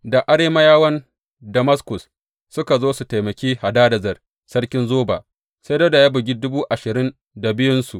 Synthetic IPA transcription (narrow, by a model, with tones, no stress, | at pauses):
da˨ʔa˦ɽeː˦ma˦jaː˦wɐ˦n | dɐ˨ma˦skʊ˨s | sʊ˦ka˨zoː˦su˨ta˨jmɐ˨kʲiː˦ha˨daː˦dɐ˨zɐ˨r | sɐ˦ɽkʲɪ˦nzoː˦ba̰˨ | sa˦do˦da˨ja˦bʊ˨ɡʲi˦dʊ˦buː˦ʔa˨ʃɪ˨ɾɪ˦n | da˨bɪ˦jʊ˦nsu˨ʔ